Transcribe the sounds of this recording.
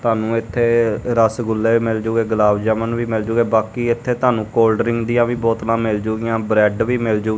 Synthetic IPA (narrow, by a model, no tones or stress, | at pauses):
t̪aːnũːɪt̪ʰːeːɾəsɡʊlːeːmɪld͡ʒʊːɡeːɡəlaːʋd͡ʒəmənʋiːmɪld͡ʒʊːɡeːbaːkiːɪt̪ʰːeːt̪ãːnũːkoːlɖəɾɪ̃ŋɡd̪ɪjãːʋiːbɔːt̪lãːmɪld͡ʒʊːɡɪjãːbɾɛːɖʋiːmɪld͡ʒoː